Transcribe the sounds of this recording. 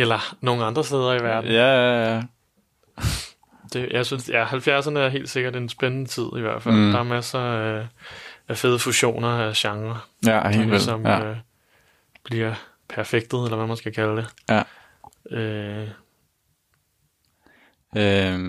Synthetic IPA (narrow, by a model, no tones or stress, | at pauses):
elɐno̝ːŋ̩ɑ̈nd̥ʁɐsd̥eːð̞ˠɐiʋæɐd̥n̩ | d̥e̝jʔɑ̈ɪsynsjæhælfjæɐsɐnəæɐɦe̝̰ːld̥se̝ɡ̥ɐde̝nsb̥enənət͡sʰið̞̰ˠiʋæɐ̰d̥fæl̰d̥ɑ̈ɐmæsɐ | æfeð̞ˠəfuɕo̝̰ːnɐæɕɑ̈ŋʁɐesɒ̽mø | b̥liɐ̰ | pʰæɐfeɡ̥̚d̥ð̞̩ˠelɐʋæmænsɡ̥ækʰæləd̥e̝ | ø | ø